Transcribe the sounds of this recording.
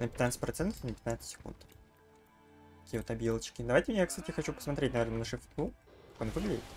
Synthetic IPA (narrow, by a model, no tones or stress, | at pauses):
nəpʲɪt̪nat̪sətʲpɾɐt̪sɛnt̪ə̥fnəpʲɪt̪nat̪sə̥tʲsʲɪ̥kṵnt̪ | kɐ̥kʲiːjəvot̪ɐbʲjilˠət͡ɕkʲɪd̪ɐvajtʲɪjakst̪atʲɪxɐt͡ɕupə̥smɐt̪ɾʲetʲnɐvʲernənəʂɨft̪kukḁkonvɨɡlʲɪdʲɪt̪